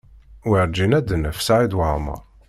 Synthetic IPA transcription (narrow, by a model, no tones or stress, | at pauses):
wəɾd͡ʒinæd̪ənəfsaʕid̪wəʕmə̰ɾˤ